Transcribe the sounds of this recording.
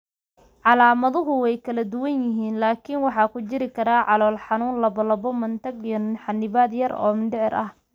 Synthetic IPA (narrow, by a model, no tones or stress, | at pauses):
ʕɑlaːmɐðʊɦʊwɛjkʰɐlɐd̪ʊwɐnjɪɦiːnlaːkʰinwɑħɑːkʰʊt͡ʃɪɾɪkʰɐɾaːʕɑlɔːlħɑnuːnlɐbɐlɐbɔmɐnt̪ʰɐɡjɔnħɑnːɪβaːd̪jɐrɔ̰ːmɪnɖɪʕɪɾʔɐh